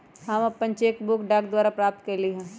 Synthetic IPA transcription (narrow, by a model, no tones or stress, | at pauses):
ɦɐmɐpːənt͡ʃeːkbʊkɖaːk̚d̪waːɾapɾaːp̚t̪kɐɾliɦɛ̃ː